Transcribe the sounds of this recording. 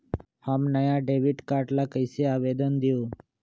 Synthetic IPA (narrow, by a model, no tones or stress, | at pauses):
hamnəjãɖeːʋiɖkaːɾʈlakəɪseaːʋeːd̪ənd̪ijoː